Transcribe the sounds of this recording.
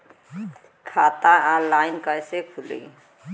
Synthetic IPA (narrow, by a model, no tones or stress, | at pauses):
kʰaːt̪ãalaːɪnkəjsekʰulḭ